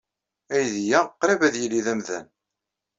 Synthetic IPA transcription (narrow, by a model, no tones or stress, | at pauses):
æjðjæqːɾævæðjəlːiðæmðæ̰n